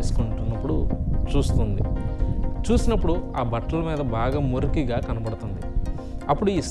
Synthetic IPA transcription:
eːsu̥kuɳʈunːɐpːuɽut͡ʃuːst̪und̪ḭ | t͡ʃuːsinɐpːuɽuaːbɐʈːɐlɐmiːd̪ɐbaːɡaːmoɾkiɡaːkɐnɐbɐɽut̪und̪i | ɐpːuɽuis

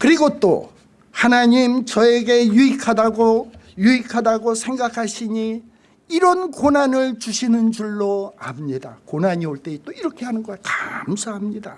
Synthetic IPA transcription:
kɯɾiɡot͈o̰ | hanaɲimt͡ɕʌe̞ɡe̞juikʰadaɡojuikʰadaɡosʰe̞ŋɡakʰaɕʰiɲi | iɾʌnkonanɯɭt͡ɕuɕʰinɯnd͡ʑuɭːoamɲida̰konaɲioɭt͈e̞it͈oiɾʌkʰe̞hanɯnɡʌkḁmsʰaɦamɲida

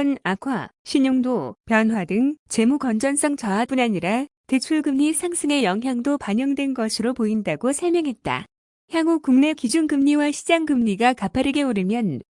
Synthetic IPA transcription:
nakʰwa̰ɕʰiɲoŋdopjʌnwadɯŋt͡ɕe̞mukʌnd͡ʑʌns͈ʰʌŋt͡ɕʌap͈unaɲiɾate̞t͡ɕʰuɭɡɯmɲisʰaŋs͈ʰɯŋe̞jʌŋɦjaŋdopaɲʌŋdwe̞nɡʌsʰɯɾopoindaɡosʰʌɭmjʌŋɦe̞t̚t͈a̰ | çjaŋɡuk͈uŋne̞kid͡ʑunɡɯmɲiwaɕʰid͡ʑaŋɡɯmɲiɡakapʰaɾɯɡe̞uɾɯmjʌn

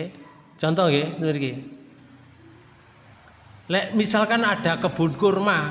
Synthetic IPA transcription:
t͡ʃɔnt̪ɔŋɡemiɾke | lɛʔmisalkanaɖ̥a̤kəb̥ṳt̪̚kʊrma

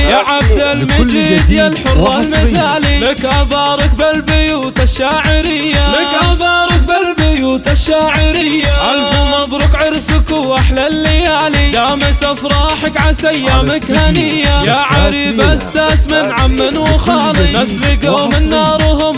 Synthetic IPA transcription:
jaʕabd̪almad͡ʒiːd̪jalħʊɾwalmɪθaːlilɪkʔabɑːɾˤɪkbɪlbɪjuːt̪aʃːaːʕɪɾɪjːalɪkʔabɑːɾˤɪk̚bɪlbɪjuːt̪aʃːaːʕɪɾɪjːaʔalbʊmɑbɾʊqʕɪɾsɪkuaħlalːɪjaːlijaːmɪt̪afɾˤɑːħɪkʕasajːamakhanɪjːajaʕaɾiːbasːaːsmɪnʕamːɪnwʊxɑːlinasliɡomɪnːɑːɾˤɦʊm

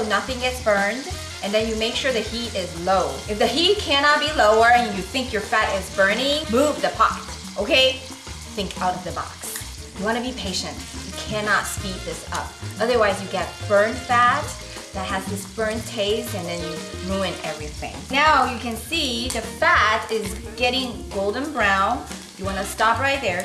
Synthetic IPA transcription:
nʌθɪ̃ŋɨtsb̥ɜ̃˞nd | ɨ̃nðɨ̃njɨmeɪkʃʊɹðɨhiɾɪzloʊɨfðɨɦit̚kʰænɑt̚b̥iloʊə˞ɨ̃njɨθɪ̃ŋkjə˞fæɾɪzbɜ̃˞nɪ̃ŋmuvðɨpʰɑ̰kt | ʔoʊkʰeɪ | θɪ̃ŋkʰaʊɾʌvðɨbɑ̰ks | jɨwɑñɨbipʰeɪʃɨ̃ntjɨkʰænɑtspit̪̚ðɪsʌ̰p̚ʔʌðə˞waɪzjɨɡɛt̚b̥ɜ̃˞nfæt̚ | ðɨt̚hɨzðɪsb̥ɜ̃˞ntʰeɪstɨ̃nðɨ̃njɨɹuɨ̃nɛvɹiθɪ̰̃ŋnaʊjɨkɨ̃nsiðɨfæɾɪzɡɛɾɪ̃ŋɡoʊlˠdⁿn̩bɹãʊ̃nz | jɨwɑnɨstɑpɹaɪt̪̚ðə˞

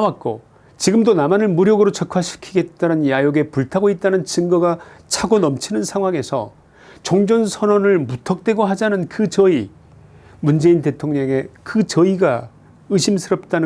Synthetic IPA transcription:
wat̚k͈o̰ | t͡ɕiɡɯmdonamanɯɭmuɾjʌɡɯɾot͡ɕʌkʰaɕʰi̥kʰiɡe̞t̚t͈anɯnjajoɡe̞puɭtʰaɡoit̚t͈anɯnt͡ɕiŋɡʌɡat͡ɕʰaɡonʌmt͡ɕʰinɯnsʰaŋɦwaŋe̞sʰʌ̰ | t͡ɕʌŋd͡ʑʌnsʰʌnʌnɯɭmutʰʌk̚t͈we̞ɡoɦad͡ʑanɯnkɯt͡ɕʌi | mund͡ʑe̞inte̞tʰoŋɲʌŋe̞kɯt͡ɕʌiɡa | ɯɕʰimsʰɯɾʌp̚t͈anɯ

